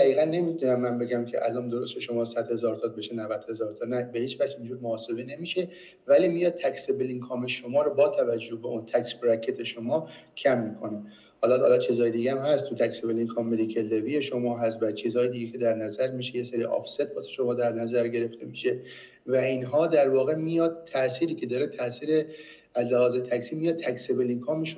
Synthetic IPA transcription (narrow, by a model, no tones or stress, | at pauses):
d̪æʁiːɣænːe̞mit̪ʰunæmːænbeɡæmcʰḛʔælɒːnd̪o̞ɾo̞st̪eʃo̞mɒːsæd̪he̞zɒːɾt̪ʰɒbe̞ʃenævæd̪̥he̞zɒːɾt̪ʰɒnæbe̞hiːt͡ʃvæxd͡ʒind͡ʒuːɾmoɒːse̞bene̞miːʃe | væliːmijɒːd̪̚t̪ʰæksebeliŋkʰɒme̞ʃomɒːɾobɒːt̪ʰævæd͡ʒːohbeʔunt̪ʰæksbɾækʰːe̞t̪ʰe̞ʃomɒːcʰæmːikʰo̞ne̞ | hɒːlɒhːlɒt͡ʃʰizhɒːjed̪iːɡeæmhæst̪t̪ʰːut̪ʰæksebeliŋkʰɒmːed̪ikʰelːevije̞ʃomɒːɦæst̪bæt͡ʃʰiːzhɒːjed̪iːɡecʰe̞d̪æɾnæzæɾmiːʃeje̞seɾiʔɒ̰fse̞t̪̚bɒːse̥ʃomɒːd̪æɾnæzæɾɡe̞ɾe̞ft̪e̞miʃe | væinɦɒːd̪æɾvɒːɣe̞mijɒːd̪̥̚ʰæʔsiːɾiːcʰe̞d̪ɒːɾet̪ʰæsiːɾe | æzlehɒːzet̪ʰæksiːmijɒːd̪̚t̪ʰæksebeliŋkʰɒːmeʃ